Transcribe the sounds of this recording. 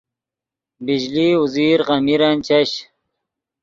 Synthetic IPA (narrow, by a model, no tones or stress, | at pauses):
bid͡ʑliːuziːɾʁamiɾant͡ɕaɕ